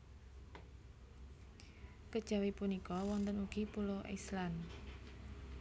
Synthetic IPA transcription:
kəd̥ʒ̥a̤wipunikɔwɔnt̪ənuɡ̥ipuloʔḭslan

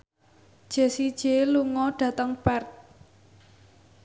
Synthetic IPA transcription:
d̥ʒ̥e̤sid̥ʒ̥eluŋɔɖ̥ä̤t̪əŋb̥ɛrt̪̚

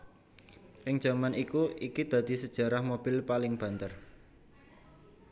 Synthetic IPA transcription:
ʔɪŋ̥ʒ̥a̤manikuikid̪̥ä̤d̪̥i̤səd̥ʒ̥a̤ɾahmob̥ɪ̤lpalɪŋb̥ä̤nt̪ər

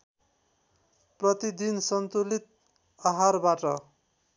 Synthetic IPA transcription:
prʌt̪id̪insʌnt̪ulit̪̚ | ʌɦarbaʈʌ

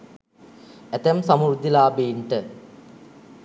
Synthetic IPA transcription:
et̪ɐmsɐmurd̪ilaːbiːɳʈə

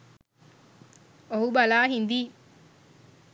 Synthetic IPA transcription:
oɦubalaːɦind̪iː

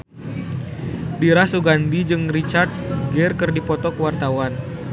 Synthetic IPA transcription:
diɾasuɡandid͡ʒɨŋrit͡ʃard̪̚ɡɛrkɨrdipɔt̪ɔkəwart̪awan

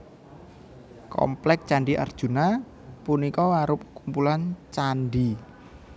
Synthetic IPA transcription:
kɔ̰mplɛk̚t͡ʃaɳɖiʔa̰rd̥ʒ̥ṳna | punikɔwaɾʊp̚kumpulant͡ʃanɖi

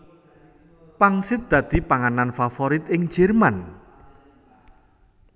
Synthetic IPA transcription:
paŋsɪt̪̚d̪̥ä̤d̪̥i̤paŋananfafɔɾit̪̚ɪŋ̥d͡ʒɛrman

